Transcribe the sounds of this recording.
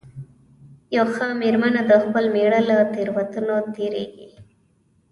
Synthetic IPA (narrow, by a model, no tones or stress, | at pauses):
jawxəmeɾmanad̪əxpəlmeɽəlat̪eɾwat̪unot̪eɾḛɡḭ